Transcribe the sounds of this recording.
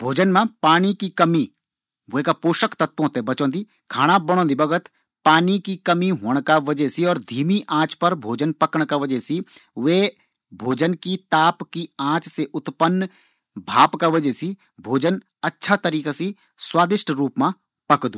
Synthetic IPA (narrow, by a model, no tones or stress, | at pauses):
bʱoːd͡ʒənmãpaːɽ̃ikikɐmi | ʋekapoːʃəkt̪ɐt̪wõt̪ebɐt͡ʃõːd̪iː | kʰaːɽ̃abɐɽ̃õːnd̪ibɐɡət̪ | paːnikikɐmiɦõːɽ̃kaʋɐd͡ʒɛsiɔːɾd̪ʱiːmiʔãːt͡ʃpɐɾbʱoːd͡ʒənpɐkəɽ̃kaʋəd͡ʒɛsiʋeː | bʱoːd͡ʒənkit̪aːpkiãːt͡ʃseʔʊt̪pənː | bʱaːpkaʋɐd͡ʒɛsi | bʱoːd͡ʒən | ɐtːʃʰat̪ɐɾiːkasi | swaːd̪ɪʃʈɾuːpmã | pɐkd̪uː